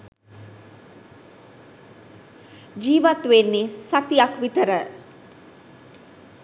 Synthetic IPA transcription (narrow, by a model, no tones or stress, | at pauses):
d͡ʒiːʋat̪ʋenːesat̪ijakʋit̪əɾə